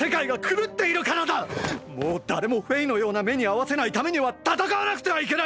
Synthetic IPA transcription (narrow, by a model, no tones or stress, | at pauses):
e̞kaiɡakʰɯ̟ɾɯ̟t̪ːe̞iɾɯ̟kaɾad̪amo̞ːd̪aɾe̞mo̞ɸɯ̟eino̞jo̞ːname̞ɲ̟iaβase̞nait̪ame̞ɲ̟iβat̪at̪akaβanakɯ̟t̪e̞βaik̬e̞na